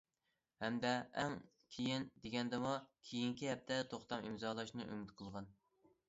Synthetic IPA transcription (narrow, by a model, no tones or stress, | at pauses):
hɛmd̪ɛɛŋ | kʲʰejind̪eɡʲɛnd̪ɪmukʲʰejiŋkʲiɦɛp̚t̪ʰɛt̪ʰoχt̪ɑmimzɑlˠɑʃnɨʔy̰myt̪qʰəlˠʁɑn